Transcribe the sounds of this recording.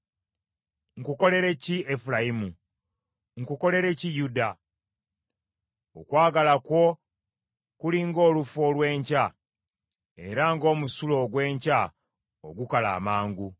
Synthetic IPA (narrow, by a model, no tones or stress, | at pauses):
ŋ̩kuko̞le̞ɾe̞ciefulaimu | ŋkuko̞le̞ɾe̞cijuda | o̰kwaːɡalakwo̞ | kuliŋɡo̞ːlufo̞lwe̞ːɲca | e̞ɾaŋɡo̞ːmusulo̞ɡwe̞ːɲca | o̰ɡukala̰ːmaːŋɡu